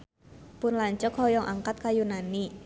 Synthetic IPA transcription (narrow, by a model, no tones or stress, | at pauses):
pʊnlaɲt͡ʃɔkhɔjɔŋʔaŋkat̪̚kajunani